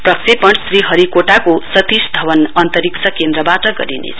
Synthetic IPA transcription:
prʌksipʌɳɖsriɦʌɾikoʈakosʌt̪isd̪ʱʌbʌnʌnt̪ʌɾiksʰʌkend̪ɾʌbaʈʌɡʌ̰ɾinḛ

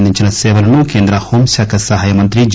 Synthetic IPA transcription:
nd̪int͡ʃʰɐnɐseʋɐɾɐnukeːnd̪ɾɐhomsʲɐkɐsɐɦɐjɐmɐnt̪ɾid͡ʒ

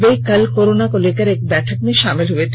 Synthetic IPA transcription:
bejkəlkoɾonakolekaɾɛk̚bɛʈʰak̚meʃamilɦoet̪

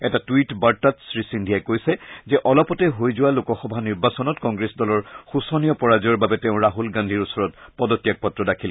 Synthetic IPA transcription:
ɛtatuwitbaɹtatsɹisindʱiajkojsɛzɛʔɔlɔpɔtɛɦojzʊwalʊkɔxɔbʱaniɹbasɔnɔtkɔŋɡɹesdɔlɔɹxusɔnijɔpɔɹaziɔɹbabɛtɛʊ̃ɹaɦulɡãndʱiɹusɔɹɔt̚pɔdɔtijak̚pɔtɹɔdakʰil

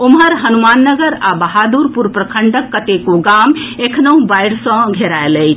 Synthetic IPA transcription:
omɦəɾɦənumanːəɡəɾabəɦad̪uɾpuɾpɾəkʰəɳɖəkːət̪ekoɡamekʰnəũbajɽsə̃ɡʱeɾaeləjt͡ʃʰ

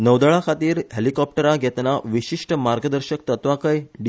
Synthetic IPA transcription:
nəwd̪əɭakʰat̪iːɾɦelikɔp̚ʈəɾaɡʱɛt̪naʋiɕiʂʈəmaɾɡəd̪əɾɕək̚t̪ət̪ʋakəjɖi

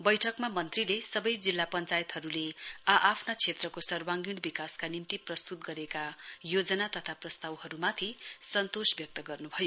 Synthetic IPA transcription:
bʌjʈʰʌkmamʌnt̪rilesʌbʌjd͡zilːapʌnt͡sajʌt̪ɦʌɾuleaʔapʰnat͡sʰet̪rʌkosʌrwaŋɡiɽ̃bikaskanimt̪iprʌst̪ut̪ɡʌɾekajod͡zʌnat̪ʌt̪ʰaprʌst̪awhʌɾumat̪ʰisʌnt̪osbjʌk̚t̪ʌɡʌrnubʱʌjo

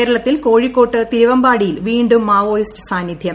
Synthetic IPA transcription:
eːɾɐɭɐt̪ːilko̞ːɻikːo̞ːʈːɨt̪iɾuʋɐmbaːɽijilʋiːɳɖumːaːʋoːjistɨ̥saːnjid̪ʱjɐ

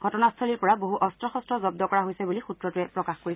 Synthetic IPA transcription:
ɡʱɔtɔnastʰɔliɹpɔɹaboɦuʔɔstɹɔxɔstɹɔzɔb̚dɔkɔɹaɦojsɛbulixutɹɔtʊɛpɹɔkaxkoɹis

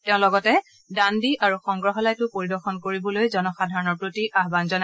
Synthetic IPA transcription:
tɛʊ̃lɔɡɔtɛ | dandiʔaɹuxɔŋɡɹɔɦɔlajtʊpoɹidɔɹxɔnkoɹibɔlojzɔnɔxadʱaɹɔnɔɹpɹotiʔaɦbanzɔna

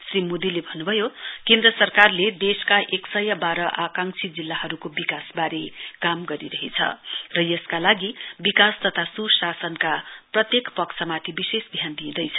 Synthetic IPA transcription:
srimod̪ilebʱʌnːubʱʌjokend̪rʌsʌrkarled̪eskaʔeksʌjʌbaɾʌʔakaŋsʰid͡zilːaɦʌɾukobikasbaɾekamɡʌɾiɾʌɦet͡sʰʌ̰rʌjʌskalaɡibikast̪ʌt̪ʰasusasʌnkaprʌt̪jekpʌksʰʌmat̪ʰibisesb̪ʱjand̪ĩːd̪ʌjt͡sʰʌ

